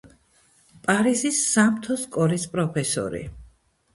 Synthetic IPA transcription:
pʼaɾizisːamt̪ʰɔskʼɔɾispʼɾɔpʰɛsɔ̰ɾḭ

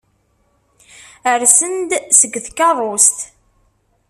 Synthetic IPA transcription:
əɾsənd̪səɡːθkːɑðˤost̪

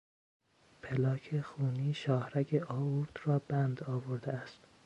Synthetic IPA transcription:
pʰelɒːcʰexuːniːʃɒːhɾæcʰeʔɒːvuɾd̪̥rɒːbænd̪ɒːvoɾd̪eæst̪

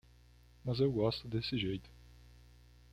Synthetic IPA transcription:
mɐzewɡɔst̪ʊd̪esɪʒejt̪ʊ̥

